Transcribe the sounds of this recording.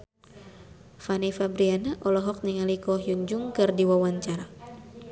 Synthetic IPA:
fanifabɾianaʔɔlɔɦɔk̚niŋalikɔɦjuɲd͡ʒuŋkɨrdiwawaɲt͡ʃaɾa

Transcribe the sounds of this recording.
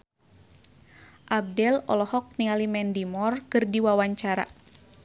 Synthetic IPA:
ʔab̚dɛlɔ̰lɔhɔk̚nialimɛndimɔrkɨrdiwawaɲt͡ʃaɾa̰

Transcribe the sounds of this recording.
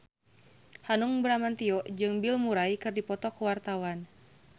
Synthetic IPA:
hanuŋbɾamant̪iɔʔd͡ʒɨŋbilmuɾaikɨrdipɔt̪ɔkuwart̪awan

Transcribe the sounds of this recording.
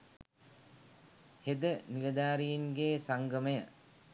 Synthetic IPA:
hed̪əniʋəd̪aːɾijiŋɡeːsaŋɡəməjə

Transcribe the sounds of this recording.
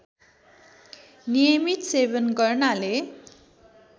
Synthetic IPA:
nijʌmit̪sebʌnɡʌrnale

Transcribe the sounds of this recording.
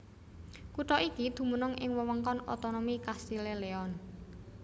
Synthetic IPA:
kuʈɔʔikid̪̥ṳmunʊŋʔɪŋwəwəŋkɔnot̪onomikasileleɔn

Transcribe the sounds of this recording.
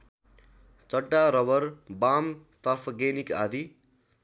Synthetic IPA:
t͡sʌɖːaɾʌbʌɾbamt̪ʌpʰɡenika̰d̪ʱi

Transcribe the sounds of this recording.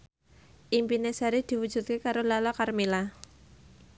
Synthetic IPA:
ʔimpinesaɾid̪̥i̤wud̥ʒ̥ṳt̪̚kekaɾolalakarmila

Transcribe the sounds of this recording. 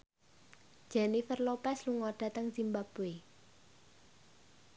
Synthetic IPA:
ʒ̥ɛnifərlopɛsluŋɔɖ̥ä̤t̪əŋsimbapue

